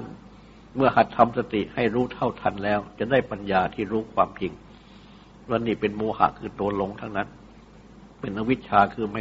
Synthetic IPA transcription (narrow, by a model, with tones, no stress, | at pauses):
n | mɯ˥˩ɐha˨˩t̪ʰːa˧msa˧t̪i˨˩ha˥˩jɾuː˦˥t̪ʰa˥˩wt̪ʰa˧nlɛː˦˥wt͡ɕa˨˩daː˥˩jpa˧njaː˧t̪ʰiː˥˩ɾuː˦˥kʰwaː˧mt͡ɕi˧ŋ | wa˧nːiː˥˩pe˧nmoː˧ha̰˨˩kʰɯː˧t̪u˧ɐlo˧ŋt̪ʰa˦˥˩na˦˥˩n | pe˧nʔa˦˥wi˦˥t̪̚t͡ɕʰaː˧kʰɯː˧ma˥˩